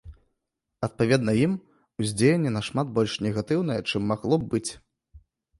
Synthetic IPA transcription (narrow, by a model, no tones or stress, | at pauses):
ɐt̪̚pavʲɛd̪nɐjim | uzʲd͡zʲejʲenʲːɛnɐʂmat̪̚bɔlʲʂnʲɛɣat̪ɨwn̪ɐjɛt͡ʂɨmːaɣlˠɔbbɨt͡sʲ